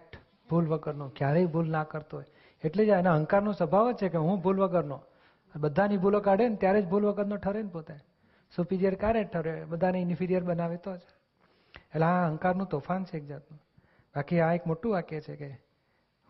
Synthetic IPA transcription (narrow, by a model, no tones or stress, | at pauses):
kʈ | bʱulʋəɡəɾnokjaɾeibʱulnakəɾt̪oɦoj | eʈled͡ʒaenaɦəŋkaɾnosəbʱaʋt͡ʃʰekeɦũbʱulʋəɡəɾno | əbəd̪ʱanibʱulokaɽent̪jaɾed͡ʒbʱulʋəɡəɾnoʈʰəɾenpot̪a | supiɾijəɾkjaɾeʈʰəɾebəd̪ʱaneɪnifʰiɾijəɾɓənaʋet̪ot͡ʃʰe̥ | eʈleaɦəŋkaɾnũt̪ɔfant͡ʃʰeːk̚d͡ʒat̪nũ | bakiaekmoʈũʋakjet͡ʃʰeke